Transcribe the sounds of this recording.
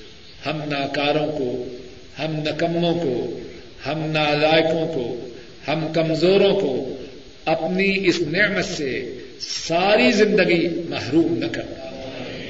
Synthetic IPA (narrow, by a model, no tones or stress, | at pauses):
hɐmnaːkaːɾõko | hɐmnɐkɐmːõko | hɐmnaːlaːɪkõko | hɐmkɐmzoːɾõko | ɐpniɪsnɪmət̪se | saːɾizɪ̃nd̪əɡimɐɦɾuːmnɐkɐɾt̪a